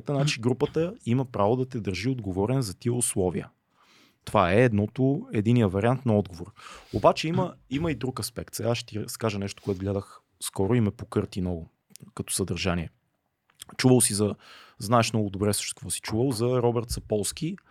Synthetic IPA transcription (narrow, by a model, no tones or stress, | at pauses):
t̪ənat͡ʃiɡɾupət̪əiməpɾavod̪ɐt̪ɛd̪əɾʒiod̪ɡovɔɾɛnzɐt̪iəʊslˠɔviə̰ | t̪ovaɛːd̪nɔt̪ʊɛd̪inijəvɐɾʲiant̪nɐɔd̪ɡovoɾobat͡ʃɛiməiməid̪ɾukɐspɛkt̪sɛɡaʃt̪iɾskaʒənɛʃt̪o̥koʊɛt̪ʊɡlɛd̪əx | skɔɾʊimɛpokɤɾt̪inɔɡʊ | kɐt̪ɔ̥səd̪ɐɾʒaniɛ | t͡ʃuvəlˠsizɐznaɛʃnɔɡʊd̪obɾɛsʃt͡ʃ̪kvɔsi̥t͡ʃuvəlˠzɐɾɔbɛɾt̪sɐpɔlˠskʲi